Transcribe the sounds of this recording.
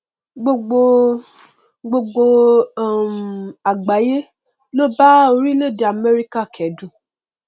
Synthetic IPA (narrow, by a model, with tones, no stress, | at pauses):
ɡ͡bo˧ɡ͡bo˧ | ɡ͡bo˧ɡ͡bo˧˦˨ | ma˨ɡ͡ba˨˦je˦ | lo˦ba˦o˧ɾi˦le˦˨di˨a˨mɛ˦ɾi˦ka˦˨kʰɛ˨˦dũ˦˨